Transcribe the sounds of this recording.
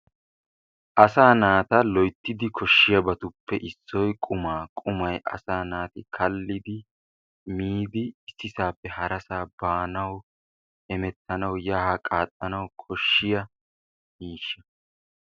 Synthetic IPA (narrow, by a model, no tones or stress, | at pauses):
ʔɐsaːnaːt̪ɐlɔjt̪ːɪd̪ɪkʰɔʃːɪjɐbɐt̪ʊpːɛʔɪsːɔjkʼʊmaːkʼʊmɐjʔɐ̰saːnaːt̪ɪkʰɐlːɪd̪ɪ | miːd̪ɪːsːɪsaːpːɛhɐɾɐsaːbaːnɐw | ʔɛmɛt̪ːɐnɐwjaːhɐkʼaːt̪ʼːɐnɐwkʰɔʃːɪjɐ | miːʃːɐ̥